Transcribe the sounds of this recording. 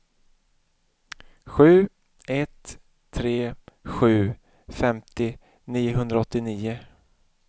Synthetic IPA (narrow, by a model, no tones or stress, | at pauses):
ɧʉ̟ː | ɛt̪ʰː | ɾeːɧʉ̟ː | fɛmt̪ɪ | niːʊɦɵnd̪ɾaɔt̪ːɪniːʊ